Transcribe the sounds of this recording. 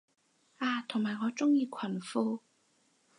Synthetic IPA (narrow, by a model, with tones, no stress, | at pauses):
aː˧˩t̪ʰʊ˨˩ŋmaː˨˩ŋɔː˨˧t͡sʊ˥ŋjiː˧kʷʰɐ˨˩nfuː˧